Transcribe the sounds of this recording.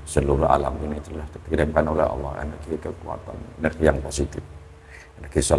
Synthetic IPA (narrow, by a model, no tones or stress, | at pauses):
səluɾuɦa̰la̰minit̪ulaht̪iɾəbanolɛɦɑ̰lːɔ̰hḛnərɡikəkua̰t̪a̰nɛnərɡijaŋposit̪ɪf | ɛnərɡisɔ